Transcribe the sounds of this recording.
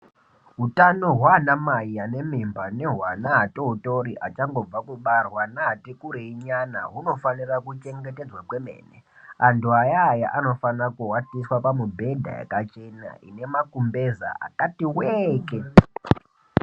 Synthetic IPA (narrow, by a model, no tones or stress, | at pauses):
ɦutano̞ɦwaːnamaiane̞membaneɦwanaɦatoɦuto̞ɾiʔa̰t͡ʃaŋɡo̞b͡vakuɓarwanaɦatekuɾeiɲana̰ɦuno̞fanirakut͡ʃe̞ŋɡete̞d͡zwakwe̞me̞̰ːnḛ | antuajaːja̰ʔano̞fanakuwatiswapamubʱe̞dʱa̰jḛkat͡ʃe̞na̰ʔine̞makumbe̞za̰ʔa̰katiweːke